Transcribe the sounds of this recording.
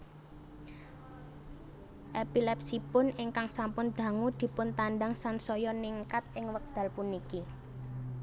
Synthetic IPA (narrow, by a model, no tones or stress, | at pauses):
ʔepilɛp̚sipʊnɪŋkaŋsampʊnd̪̥ä̤ŋud̪̥i̤pʊnt̪anɖaŋsansɔjɔniŋkat̪̚ɪŋwək̚d̪̥ä̤lpuniki